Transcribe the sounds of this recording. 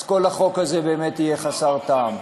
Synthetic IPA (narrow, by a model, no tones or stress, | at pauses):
ko̞lhaχo̞khaze̞be̞ːmetije̞χasaʁt̪aːm